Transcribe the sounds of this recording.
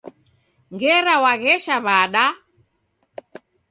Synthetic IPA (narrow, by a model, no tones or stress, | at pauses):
ŋɡɛɾawaɣɛʃaβaɗa